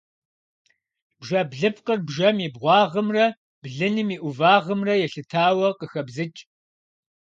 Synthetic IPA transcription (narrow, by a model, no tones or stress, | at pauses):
b̥ʒɐbɮɨpʰqərbʒɐmibʁʷɑːʁəmrɐ | b̥ɮɨnɨmiːʔʷʊvaːʁəmrɐjɛɬɨtʰaːwɐqəxɐbzɨt͡ʃʼ